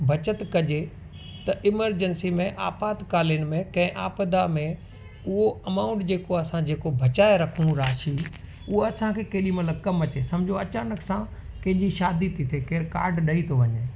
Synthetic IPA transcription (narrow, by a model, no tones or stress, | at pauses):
bʱɐt͡ɕət̪kɐd͡ʑe | t̪ɐʔɪməɾd͡ʑənsimẽʔa̰ːpaːt̪kaːlijənɪ̆mẽkɐ̃ɦɪ̃ʔaːpəd̪amẽ | ʊɦoɐmaːʊ̃ɳʈd͡ʑeːkoɐsãd͡ʑeːkobʱɐt͡ɕaːeɾɐkʰũɾaːʃi | ʊɦoɐsãkʰeːkeːɗimɐt̪ləb̚kɐmɐt͡ɕeːsɐ̃md͡ʑʱoɐt͡ɕaːnəksã | kɐ̃ɦɪ̃ɲd͡ʑiʃaːd̪it̪ʰit̪ʰekeːɾka̰ːɾɖɗɐit̪ʰoʋɐɲeː